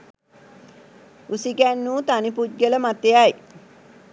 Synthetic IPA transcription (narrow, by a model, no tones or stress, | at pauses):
usiɡænːuːt̪anipud̪̚ɡələmat̪eaj